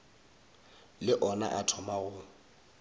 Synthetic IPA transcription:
lɪʔɔna̰ʔatʰɔmaɣʊ

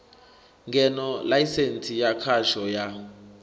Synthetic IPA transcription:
ŋɡʱɛnɔlajisensʰijakʰaʃɔja

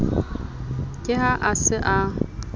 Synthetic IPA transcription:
kʼɪɦaʔasɪʔa

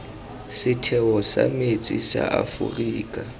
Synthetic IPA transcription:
sɪtʰɛwɔsamet͡sʼisaʔafṵriːkʼa

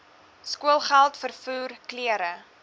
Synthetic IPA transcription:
skuəlˠχælˠtfərfuːrkliəɾə

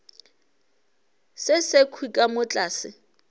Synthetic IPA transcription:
sɪsekʰwikʼamʊt͡ɬʼaːsɪ

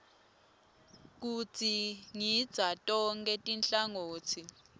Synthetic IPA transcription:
k̬ut͡sʰʼiŋid̥z̥ʱatʼɔŋk̬ʼɛtʼinɬaŋoːtʰi

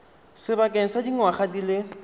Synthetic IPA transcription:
sɪbakʼɛŋ̩sadiŋ̩waχadilɪ

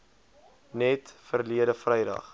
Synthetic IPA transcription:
nɛtfərliəɾəfrəjdɐ̰χ

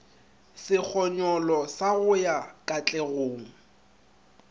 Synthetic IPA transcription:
sɪk͡xʰɔɲɔlɔsaɣʊjakʼat͡ɬʼɛɣʊːŋ̩

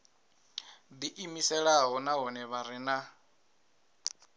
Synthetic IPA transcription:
d̪iʔimisɛɺaɦɔnaɦɔnɛβaɾina

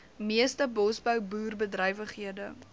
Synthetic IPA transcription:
miəstəbɔsbəwbuːrbədrəjvəχɦiədə

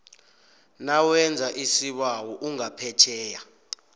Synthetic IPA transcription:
nawɛnd͡zʱaʔisiɓawɔʔuŋapʰɛt͡ʃʰɛːja

